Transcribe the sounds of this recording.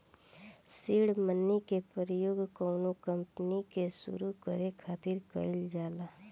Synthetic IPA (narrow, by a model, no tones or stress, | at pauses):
siːɽmənːikepəɾəjoːɡkɔːnokə̃mpnikesṵɾukəɾekʰaːt̪iːɾkə̰ild͡ʒaːlaː